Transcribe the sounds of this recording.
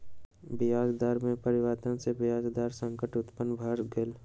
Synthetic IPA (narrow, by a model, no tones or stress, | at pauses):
bɪjaːzd̪aːɾmẽpəɾɪwaːt̪ə̃nsebɪjaːzd̪aːɾsə̃ŋkəʈʊt̪pənbʱaɾɡel